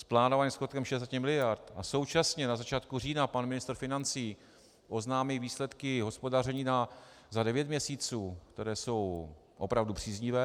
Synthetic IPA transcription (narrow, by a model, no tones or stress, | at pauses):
splaːnovaɲɛmskot̪kɛmʃɛɛs̬acɪmɪlɪjaɾt̪ʔaso̞wt͡ʃasɲɛnazat͡ʃaːt̪̚kur̝iːnapanmɪnɪst̪ɾ̩fɪnant͡siː | ʔo̞znaːmɪlviːslɛt̪kɪɦo̞spo̞darɛɲiːna | zadɛvjɛt̪mɲɛsiːt͡suːkt̪ɛɾɛːso̞w | ʔo̞pɾavdupr̥iːzɲɪvɛː